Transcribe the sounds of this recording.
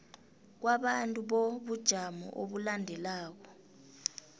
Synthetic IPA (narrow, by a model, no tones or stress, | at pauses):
k̬waɓantʼuɓoɓud̥ʒ̥ʱamɔ̰ʔoɓulandʱɛlaːk̬ɔ